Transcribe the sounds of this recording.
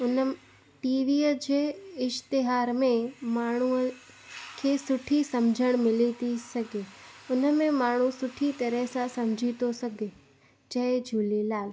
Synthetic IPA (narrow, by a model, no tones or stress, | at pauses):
ʊnə | ʈiːʋiːəd͡ʑeːɪʃt̪ɪɦaːɾmẽmaːɳ̤̃uə | kʰeːsʊʈʰisɐmd͡ʑʱəɽ̃mɪlit̪isɐɡʱeːʊnəmẽmaːɽ̤̃usʊʈʰit̪ɐɾəɦsãsɐ̃md͡ʑʱit̪osɐɡʱe | d͡ʑɐɦed͡ʑʱuːlilaːl